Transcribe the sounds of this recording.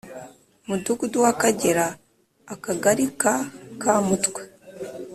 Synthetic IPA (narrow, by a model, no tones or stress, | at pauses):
muduɡuduwakaɟe̞ɾaː | kaɡaɾikakamutkwe